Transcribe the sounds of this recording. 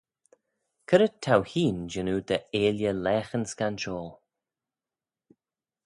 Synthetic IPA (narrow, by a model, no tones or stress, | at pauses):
kʰəɾət̪ʰːawhiːnd͡ʒɪnuːd̪əeːljəlɛːxənskanʃoːl